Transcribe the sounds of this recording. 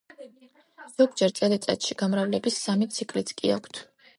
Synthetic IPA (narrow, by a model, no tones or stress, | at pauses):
z̥ɔɡd͡ʒɛɾt̪sʼɛd̪ɛt̪sʼɛ̰t̪ʃiɡ̥amɾavlɛbisːamit̪sʰikʰʼlit̪sʰkʼḭakʷʰt̪ʰ